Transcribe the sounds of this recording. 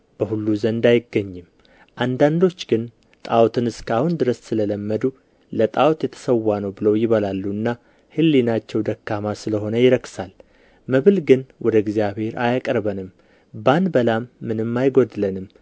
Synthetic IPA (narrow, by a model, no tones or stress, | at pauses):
b̥əhulːuzənd̪ajɪɡːəɲːɨm | ʔand̪and̪o̞t͡ʃːɡɨn | t̪ʼawt̪ʰɨnɨskʰahund̪ɨɾəssɨlələmːəd̪u | lət̪ʼawt̪jɛt̪ʰə̥səwːanəwbɨləwjɪβəlalːuɨnːa | hɨlːinat͡ʃːɛwd̪əkːamasɨləɦo̞nəjɪɾəksal | məβɨlɡɨnwɔd̪əɪɡzijaβhe̞ɾajakʼəɾbənɨm | banbəlamːɨnɨmːajɡod̪ɨlənɨm